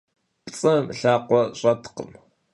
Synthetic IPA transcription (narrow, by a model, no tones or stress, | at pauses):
pt͡sʼɐmɬaːqʷɔɕʼɐtʰqə̰m